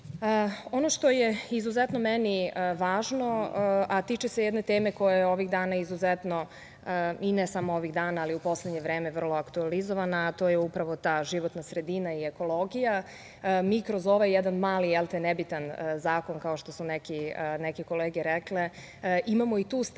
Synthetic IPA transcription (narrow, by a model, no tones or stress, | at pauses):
əo̞noʃt̪o̞jeizuzɛt̪no̞mɛniʋaːʒno̞at̪it͡ʃesejɛd̪ne̞t̪eːmeko̞jajeo̞ʋiɣd̪aːnaizuzɛt̪no̞ | inɛsamooʋiɣd̪aːnaːliupo̞sled̪ɲeʋɾeːme̞ʋr̩lˠo̞akt̪ualizoʋanaːt̪oːjeupɾaʋo̞t̪aːʒiʋot̪nasɾe̞d̪iːnaieko̞lˠo̞ɡija | miːkɾozo̞ʋajɛd̪anmaːlielˠt̪enebit̪anzaːko̞nkao̞ʃt̪o̞sunekinɛkeko̞leːɡeɾɛkle | ʔimamo̞it̪uːs